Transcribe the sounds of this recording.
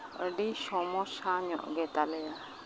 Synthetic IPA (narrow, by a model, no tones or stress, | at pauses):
əɖisɔmɔsaɲɔ̰ʔɡɛt̪alɛja